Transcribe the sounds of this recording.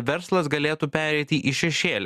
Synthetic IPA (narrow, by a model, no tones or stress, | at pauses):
ʋʲɛɾslˠɐsɡɐlʲeːt̪upʲæːɾʲɛɪt̪ʲiʔɪʃʲɛʃʲeːlʲ